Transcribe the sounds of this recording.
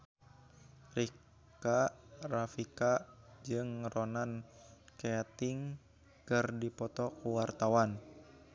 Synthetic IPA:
ri | karafikad͡ʒɨŋrɔnankeat̪iŋ | kɨrdipɔt̪ɔkuwart̪awan

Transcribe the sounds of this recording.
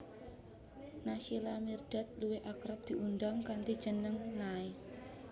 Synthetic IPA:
nasilamird̥a̤t̪̚luwɪhakɾap̚d̪̥i̤und̪ɔŋkant̪id̥ʒ̥ə̤nəŋnae

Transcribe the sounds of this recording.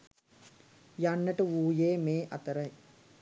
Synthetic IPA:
janːəʈəʋuːjeːmeːʔat̪əɾəj

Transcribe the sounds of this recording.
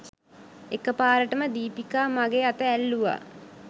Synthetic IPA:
ekəpaːɾəʈəməd̪iːpikaːmaɡeːat̪əælːuʋa̰

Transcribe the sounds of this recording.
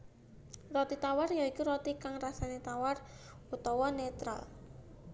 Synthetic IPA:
rɔt̪it̪awarjaikuɾɔt̪ikaŋrasanet̪awar | ut̪ɔwɔnet̪ɾa̰l

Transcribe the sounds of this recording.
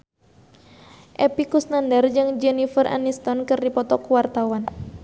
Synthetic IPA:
ʔɛpikusnandard͡ʒɨŋd͡ʒɛnifərʔa̰nist̪ɔnkɨrdipɔt̪ɔkuwart̪awan

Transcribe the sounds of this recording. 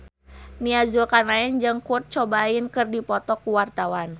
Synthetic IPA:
niazulkanaɛnd͡ʒɨŋkut̪̚t͡ʃɔbainkɨrdipɔt̪ɔkuwart̪awan

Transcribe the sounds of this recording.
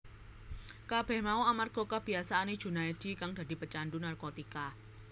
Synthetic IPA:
kab̥ɛhmauamarɡ̥o̤kəb̥i̤asaːne̥ʒ̥ṳnajd̥i̤kaŋda̤di̤pət͡ʃanɖunarkot̪ika

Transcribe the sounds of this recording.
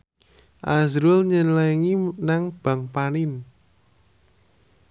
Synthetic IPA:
ʔazɾʊlɲənləŋinaŋb̥a̤ŋpanɪn

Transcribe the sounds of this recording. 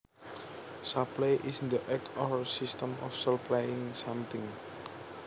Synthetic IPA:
sapleʔisnd̪əʔɛkɔsist̪əmɔ̰fsəplajɪŋsãmt̪ɪŋ

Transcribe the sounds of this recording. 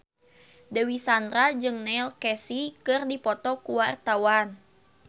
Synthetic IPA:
dəwisand̪ɾad͡ʒɨŋnɛlkɛsikɨrdipɔt̪ɔkuwart̪awan

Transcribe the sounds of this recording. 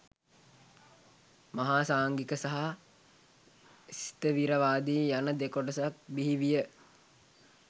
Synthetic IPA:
maɦaːsaːŋɡikəsaɦa | sit̪əʋiɾəʋaːd̪iːjanəd̪ekoʈəsak̚biɦiʋijə

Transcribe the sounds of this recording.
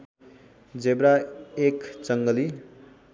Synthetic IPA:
d͡zebɾaekt͡sʌŋɡʌli

